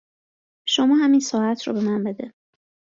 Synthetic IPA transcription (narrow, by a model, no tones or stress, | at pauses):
ʃomɒːɦæminsɒːæt̪ʰɾɒ̰ːbe̞mænbe̞d̪e